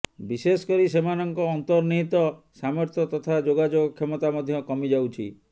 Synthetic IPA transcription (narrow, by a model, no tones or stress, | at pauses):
bisesɔ̥kɔɾisemanɔŋkɔːnt̪ɔɾniɦit̪ɔ | samɔɾt̪ʰjɔt̪ɔt̪ʰad͡ʒoɡad͡ʒoɡɔkʰːemɔt̪amɔd̪ʱjɔkɔmid͡ʒawt͡ʃʰḭ